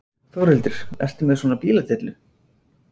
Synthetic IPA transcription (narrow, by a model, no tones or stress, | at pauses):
θowɾɪlt̪ɪɾ̥ɛ̰r̥t̪ɪmɛðsɔːnapiːlat̪ɪt̪lʏ